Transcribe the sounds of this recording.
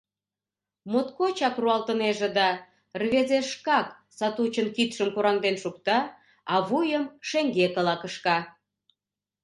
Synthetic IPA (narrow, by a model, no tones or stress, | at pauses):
mot̪kot͡ɕɑkruɑlt̪əneʒed̪ɑ | rβezeʃkɑk | sɑt̪ut͡ɕənkit̪ʃəmkuɾɑŋd̪enʃukt̪ɑ | ɑβujəmʃeŋɡekəlɑkəʃkɑ